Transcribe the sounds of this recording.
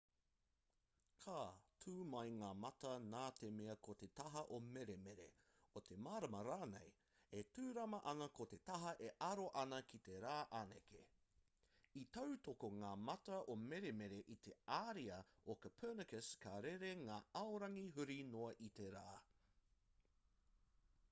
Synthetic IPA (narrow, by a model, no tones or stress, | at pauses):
kʰaːtʰuːmɐjŋaːmɐt̪ɐnaːt̪emeɐkot̪e̞t̪ɐɦɐʔomeɾemeɾḛ | ot̪ʰe̞maːɾɐmɐɾaːnḛj | etʉːɾɐmɐʔɐŋɐkot̪e̞t̪ɐɦɐʔeʔɐɾoʔɐnɐkit̪e̞ɾaːʔanḛke | it̪ɐwt̪okoŋaːmɐt̪ɐʔomeɾemeɾeʔit̪ʰe̞aːɾiɐokəpʰɜːnəkəskaɾeɾeŋaːɐoɾɐŋiɦʉɾinoɐʔit̪eɾaː